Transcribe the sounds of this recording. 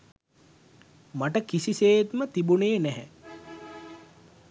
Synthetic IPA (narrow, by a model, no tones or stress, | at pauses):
maʈəkisiseːet̪mət̪ibuneːnɛɦɛ